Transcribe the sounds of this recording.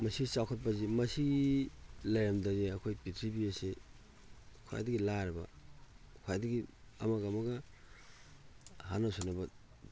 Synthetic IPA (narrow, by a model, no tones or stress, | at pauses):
mɐsiɡit͡ʃawkʰɐt̚pɐzimɐsiɡilajɐmdɐziɐkʰojpitʰɾibiase | kʰoja̰jdɐɡilaɾɐbɐ̰ | kʰjajdɐɡiɐ̰mɐɡɐːmɐɡɐ | hanasonɐbɐ